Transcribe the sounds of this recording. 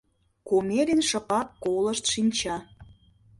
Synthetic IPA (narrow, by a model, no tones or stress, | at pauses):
komeɾinʃə̆pɑkːoləʃt̪ʃinʲt͡ɕɑ